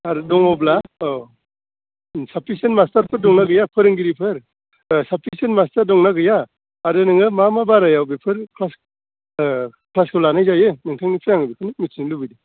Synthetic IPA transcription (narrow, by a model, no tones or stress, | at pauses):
aɾdɔŋɔbla | sapʰisenmastaɾpʰɯɾdɔŋnaɡɯjapʰɯɾɯŋɡiɾipʰɯɾ | sapʰisenmastaɾdɔŋnaɡɯjaː | ɾenɯŋɯmamabaɾajawbepʰɯɾkʰlas | kʰlaskʰɯlanajzajɯnɯŋtʰaŋipʰɯjaŋɯbikʰɯnɯk̚misinlɯbɯjdi